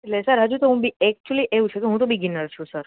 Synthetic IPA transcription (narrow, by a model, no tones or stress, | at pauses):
eʈlesəɾɦəd͡ʒut̪oɦũbiɛk̚t͡ʃuəliʔeũt͡ʃʰekeɦũt̪obʱiɡinəɾt͡ʃʰũsəɾ